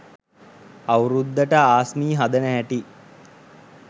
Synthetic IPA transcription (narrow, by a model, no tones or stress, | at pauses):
awɾud̪ːəʈəaːsmiːɦad̪ənəɦæʈi